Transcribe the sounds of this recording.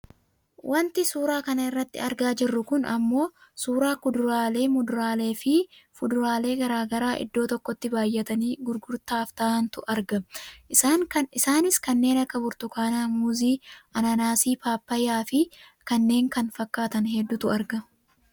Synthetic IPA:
wʔɐnt̪ɪsuːɾaːkɐnɐɪrːɐt̪ːɪ̰ɐɾɡaːd͡ʒɪrːʊkʊnɐ̰mːo̞ːsuːɾaːkʊd̪ʊɾaːle̞ːmʊd̪ʊɾaːle̞ːfɪfʊd̪ʊɾaːle̞ːɡɐɾaːɡɐɾaːʔɪ̰d̪ːo̞ːt̪ɔkːɔt̪ːɪbaːjːɛt̪ɐniːɡʊɾɡʊɾt̪aːft̪aːɐnt̪ʊʔɐɾɡɐaŋɪsaːnɪskɐnːe̞ːnɐkːɐbʊɾt̪ʊkaːnaːmʊziːɐnɐnaːsiːpaːpːɐjaːfɪkɐnːe̞ːŋkɐnfɐkːaːt̪ɐnɦɛd̪ːʊt̪ʊɐɾɡɐ

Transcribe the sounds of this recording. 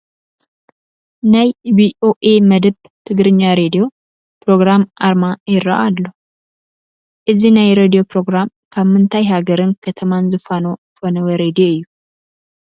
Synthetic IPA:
najwiʔo̞ʔeməd̪ɨb | t̪ʰɨɡɾɨɲːaɾed̪ijo̞ | pɾo̞ɡɾamʔaɾmajɪɾa̰ʔalːəhu | ʔɨzinajɾed̪ijo̞pɾo̞ɡɾam | kʰəmːɨnt̪ʰajɦaɡəɾɨnkʰət̪ʰəmanzɨfano̞ | fonəwəɾed̪ijoɨjːu

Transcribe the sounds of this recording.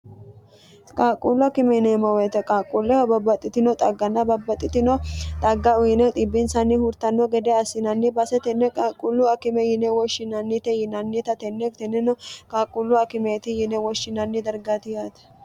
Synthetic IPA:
kʼaːkʼːulɔkɪmɛnɛmɐwɛt̪ɛkʼaːkʼːulːɛhɔbɐbːɐt̪ʼːɪt̪ɪnɔt̪ʼɐɡːɐnːɐbɐbːɐt̪ʼːɪt̪ɪnɔt̪ʼɐɡːɐʊjɪnɛt̪ʼɪbːɪnsɐnːɪhʊɾt̪ɐnːɔɡɛd̪ɛɐsːɪnɐnːɪbɐsɛt̪ɛnːɛkʼaːkʼːulːʊɐkɪmɛjɪnɛwɔʃɪnɐnːɪt̪ɛjɪnɐnːɪt̪ɐt̪ɛnːɛkt̪ɛnːɛnɔkʼaːkʼʊlːʊɐkɪmet̪ɪjɪnɛwɔʃːɪnɐnːɪd̪ɐɾɡat̪ɪjat̪ɐ̥

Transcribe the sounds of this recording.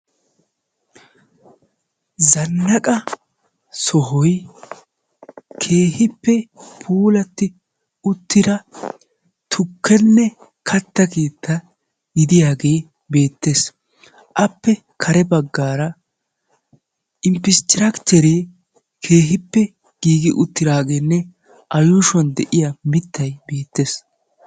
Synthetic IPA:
zɐnːɐkʼɐ | sɔɦɔj | kʰe̞ːhɪpːɛpʰuːlɐt̪ːɪ | ʊt̪ːɪd̪ɐ | t̪ʰʊkʰːɛnːɛ | kʰɐt̪ːɐkiːt̪ʰːɐ | ɡɪd̪ɪjaːɡeː | be̞ːt̪ːe̞ːs | ʔɐpːɛ | kʰɐɾɛbɐɡːaːɾɐ | ɪmpɪst͡ʃ̪ɪɾɐkt͡ʃɛɾe | kʰe̞ːɦɪpːɛ | ɡ̥iːɡɪʔʊt̪ːɪɾaːɡe̞ːnːɛ | ʔɐjuʃɔnd̪ɛʔɪjɐmɪt̪ːɐjbe̞ːt̪ːe̞ːs

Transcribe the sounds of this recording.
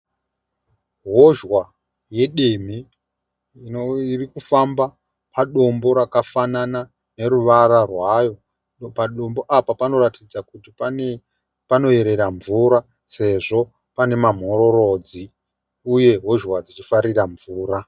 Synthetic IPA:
ɦo̞ʒwa | je̞ɗem̤i | irikufamba | paɗo̞mbo̞ɾakafanana | ne̞ɾuʋaɾarwajo̞ | paɗo̞mbo̞ʔapapano̞ɾatid͡zakutipane | pano̞e̞ɾe̞ɾaɱvuɾa | se̞ʐo̞ | pane̞mam̤o̞ɾo̞ɾo̞d͡zi | uje̞ɦo̞ʒwad͡zit͡ʃifaɾiraɱvuːɾa

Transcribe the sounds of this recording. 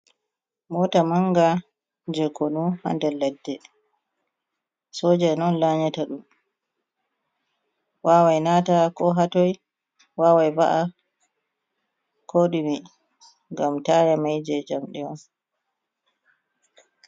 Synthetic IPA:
mɔtamaŋɡa | d͡ʒɛkonuha̰ndɛlːɛdːɛ | sɔːd͡ʒɛnɔnlaɲataɗum | waːwajnatakɔɦatɔj | wawajbaʔa | kʰoɗimi | ŋɡamtajamajd͡ʒɛd͡ʒamɗɛɔn

